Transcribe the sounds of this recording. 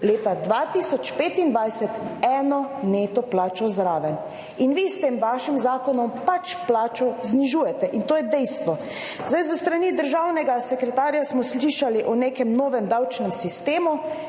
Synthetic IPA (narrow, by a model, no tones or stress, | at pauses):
leːt̪ad̪ʋat̪isɔt͡ʃpeːt̪ind̪ʋajsɛt̪ɛːnɔneːt̪ɔplaːt͡ʃɔzɾaːʋɛn | inʋist̪eːmʋaːʃimzaːkɔnɔmpat͡ʃplaːt͡ʃɔzniʒuːjɛt̪ɛʔint̪oːjɛd̪ɛjst̪ʋɔ | zd̪ajzəst̪ɾanid̪əɾʒaːwnɛɡasɛkɾɛt̪aːɾjasmɔsliʃaliʔɔneːkɛmnoːʋɛmd̪awt͡ʃnɛmsist̪eːmu